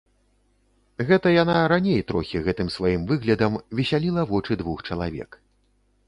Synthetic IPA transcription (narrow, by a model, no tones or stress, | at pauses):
ɣɛt̪ɐjanaɾanʲejt̪ɾɔ̰xʲiɣɛt̪ɨmsvajimvɨɣlʲɐd̪ɐmvʲisʲalʲilˠɐvɔt͡ʂɨd̪vuxt͡ʂɐlˠa̰vʲɛ̰k